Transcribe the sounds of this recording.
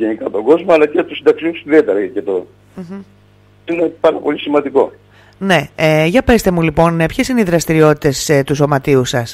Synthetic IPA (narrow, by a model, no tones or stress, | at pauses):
ʝenikɐt̪o̞ɡo̞zmoɐlɐcet̪usind̪ɐksimusiðiet̪eɾɐcet̪o | m̩ | inepɐɾɐpolʲisimɐnd̪iko̞̰ | ne̞eʝɐpe̞st̪emulipo̞npçe̞sineiðɾɐst̪iɾio̞t̪i̥t̪e̞st̪uso̞mɐt̪iusɐs